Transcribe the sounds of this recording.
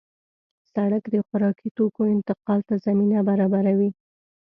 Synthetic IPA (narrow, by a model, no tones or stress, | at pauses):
saɽakd̪əxʊɾɑkit̪okoɪnt̪ɪqɑlt̪azaminabaɾɑbaɾawi